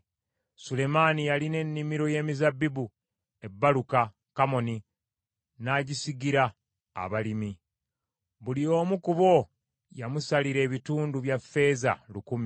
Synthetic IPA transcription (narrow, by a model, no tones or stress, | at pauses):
sule̞maːnijaline̞nːimiɾo̞je̞ːmizabːibu | e̞bːaluka | kamo̞ni | naːɟisiɡiɾa̰ː | βalimi | βulio̞ːmukuβo̞ | jamusaliɾe̞ːβituːnduβjafːe̞za̰lukumi